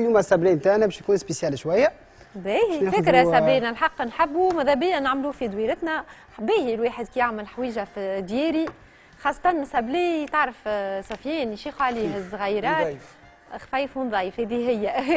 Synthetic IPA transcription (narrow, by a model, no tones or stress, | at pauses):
jumæsæblɛːnt̪aʕnæbɛʃjkuːnspesjælʃwæjːæ | bæhfɪkɾasæbiːnælħɑqːnħabːumaðˤæbɪjːænːaʕmluːfid̪ˤwiːɾɪt̪næ | beːhilweːħəd̪kijaʕməlħwiːʒæfd̪jɛːɾi | xɑːsˤːɑ̥t̪ˤɑnsæblit̪əʕɾəfsˤɑfjɛːnjʃiːxuʕliːɦɪzɣɑjɾˤɑːt̪ | xfæjfʊnðˤɑːjəfhɛːd̪iɦɪjːæ